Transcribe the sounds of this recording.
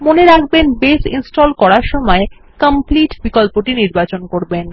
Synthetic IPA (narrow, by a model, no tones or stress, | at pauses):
moneɾakʰbenbesḭnsʈolkɔɾaɾʃɔmɔe | kəmpliʈbikolpoʈiniɾbat͡ɕonkoɾben